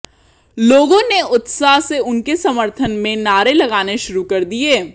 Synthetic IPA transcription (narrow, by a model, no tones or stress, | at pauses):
loːɡõneʊt̪saːɦseʊnkesɐməɾt̪ʰənmẽnaːɾelɐɡaːneʃʊɾukɐɾd̪ieː